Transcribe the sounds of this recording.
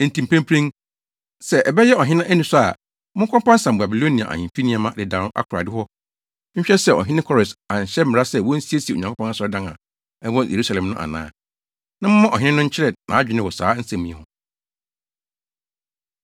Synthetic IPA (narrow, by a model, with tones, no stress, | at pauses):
n̩˨tĩ˨m˨pʰæ̃˦mpʰɾẽ˦n | sɛ˦ʔɛ˨bɛ˦jɛ˦ɔ˨ɦɪ̃˦nã˦ʔæ˦nĩ˦sʊ˦a̰˨ | mʊ̃˦ŋ˦kʰɔ̃˦pã˦n̩˦sã˨m˨ba˨bi˨lo˦nĩ˨a̰˨ʔa̰˨ɲĩ˨fi˦nĩ˦a˨mã˦dɪ˨dã˨˦nʊ̃˦ʔa̰˦kʰʊ˨ɾa̰˨dɪ˦hɔ˦ | ɲ̩˦ɕᶣɛ˦sɛ˨ɔ̰˨ɦɪ̃˦nɪ̃˦kʰɔ˦ɾɪ˨sã˨ɲ˨ɕɛ˦m̩˦mɪ˨ɾa˦sɛ˦˨wɔ̃˦n̩˦si˦e˦si˨o˨ɲã˨kʰpɔ̃˦na˦sɔ˨ɾɔ˦dã˦nã̰˨ | ɛ˦wɔ̃˦jʔḛ˨ɾu˦sa˨lɛ̃˨mnʊ̃˦ʔa̰˨nã̰ː˦ | nã˦mʊ̃˦mã˦ʔɔ̰˨ɦɪ̃˦nɪ̃˦nʊ̃˦ɲ̩˦t͡ɕʰɪ˦ɾɛ˨nã̰˨˦d͡ʑᶣɪ˦nɪ̃˦wɔ˨sa̰ː˨˦n̩˦sɛ̃˨mĩ˨ɛ̰̃˨ʊ̃˦